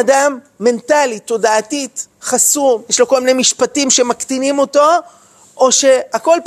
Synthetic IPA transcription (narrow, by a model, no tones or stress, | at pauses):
damː | e̞ntalit̪o̞daatit̪χasumjɛʃlo̞ko̞lmine̞jmiʃpatimʃemakt̪inimo̞to̞ | ʔoʃe̞ako̞lp